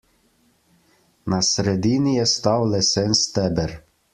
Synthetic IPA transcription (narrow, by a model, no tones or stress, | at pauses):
nasɾɛd̪inijɛst̪awlɛsɛnst̪ɛbɛɾ